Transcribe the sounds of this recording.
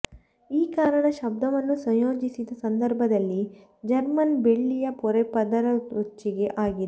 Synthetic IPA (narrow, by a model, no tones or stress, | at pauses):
iːkaːɾɐɳɐʃɐb̚d̪ʱɐʋɐnːusɐ̃ŋjo̞ːd͡ʒisid̪ɐsɐnd̪ɐɾbʱɐd̪ɐlːi | d͡ʒɐɾmɐnbeɭːijɐpɔɾepɐd̪ɐɾɐot͡ʃːiɡe̞ʔaːɡid̪e